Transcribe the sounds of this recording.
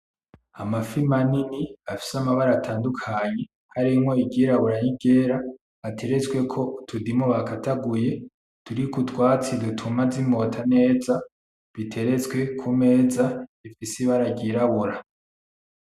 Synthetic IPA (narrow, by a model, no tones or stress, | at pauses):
amafimaniniafi̥samaβaɾatʰaːndukʰaɲe̞ | haɾimwojiɡiɾaβuɾaɲiɡe̞ːɾa | atʰe̞ɾe̞t͡swe̞kʰo̞tʰudimoβakataɡuje̞ | tuɾikutwaːt͡sidutʰumazimo̞tʰane̞ːza | βitʰe̞ɾe̞t͡sɡwe̞kʰume̞ːzaifisiβaɾaɟiɾaβuɾa